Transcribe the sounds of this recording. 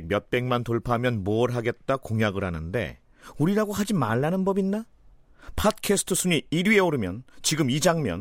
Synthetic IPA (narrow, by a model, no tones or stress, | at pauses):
k̚mjʌt̚p͈e̞ŋmantoɭpʰamjʌnmoʌɾɦaɡe̞t̚t͈akoŋjaɡɯɾɦanɯnde̞̰ | uɾiɾaɡohad͡ʑimaɭːanɯnbʌbinːa | pʰat̚kʰesʰɯ̥tʰɯsʰuɲiiɾɥie̞oɾɯmjʌnt͡ɕiɡɯmid͡ʑaŋmjʌ̰n